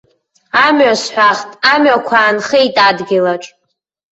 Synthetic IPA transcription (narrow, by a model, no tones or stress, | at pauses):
amɥasħʷaχtʼamɥakʷʰaːnχejitʼadɡʲɪlaʈ͡ʂʼ